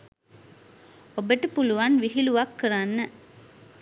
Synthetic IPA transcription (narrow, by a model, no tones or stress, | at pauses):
obəʈəpuluʋanʋiɦiluʋakːəɾanːə